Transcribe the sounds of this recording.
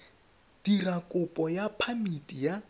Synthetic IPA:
d̥irakʼʊpʼɔjapʰamidʼija

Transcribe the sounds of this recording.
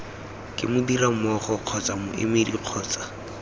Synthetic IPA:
kʼɪ̰mʊdiramɔχɔq͡χʰɔt͡sʼamʊʔḛmediq͡χʰɔːt͡sḁ

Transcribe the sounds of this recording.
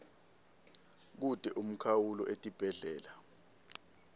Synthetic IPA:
k̬ud̥ʱɛʔum̩kʰawulɔʔetʼib̥ʱɛɮɛːla

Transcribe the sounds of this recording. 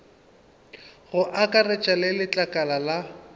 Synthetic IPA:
ɣʊʔakʼarɛt͡ʃʼalɪlɪt͡ɬʼakʼalala

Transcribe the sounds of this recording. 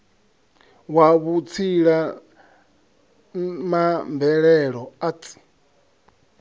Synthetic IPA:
waβut͡sʰiɺa | mambɛɺɛɺɔat͡sʼi̥

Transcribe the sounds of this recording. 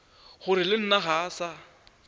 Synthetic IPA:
χʊɾɪlɪn̩naɣaːsa

